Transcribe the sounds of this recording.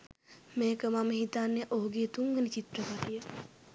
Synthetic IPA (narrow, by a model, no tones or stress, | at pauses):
meːkəmaməɦit̪anːeʔoɦuɡeːt̪uŋɡənit͡ʃit̪ɾəpaʈ̪ijə